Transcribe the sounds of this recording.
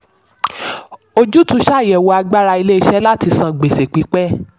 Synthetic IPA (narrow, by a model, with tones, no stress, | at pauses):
o˧d͡ʒu˦tũ˦ʃa˦˨jɛ˨wo˧a˧ɡ͡ba˦ɾa˧i˧le˦i˧ʃɛ˦la˦ti˧sã˧ɡ͡be˨se˨k͡pi˨˦k͡pɛ˦